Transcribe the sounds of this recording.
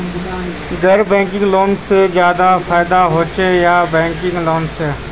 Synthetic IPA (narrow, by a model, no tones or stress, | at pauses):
ɡəɾbɛ̃ːŋkɪ̃ŋɡloːnsed͡ʒjaːd̪afʰaːɪd̪aɦoːt͡ʃejaːbɛ̃ːŋkɪ̃ŋɡloːnseː